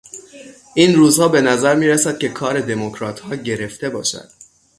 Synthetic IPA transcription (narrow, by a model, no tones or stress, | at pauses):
ʔiːnruːzhɒːbe̞næzæɾmiːɾæsæd̪̚cʲʰekʰɒːɾe̞d̪e̞mocʰɾɒːt̪hɒːɟe̞ɾe̞ft̪e̞bɒːʃæ̰d̪̥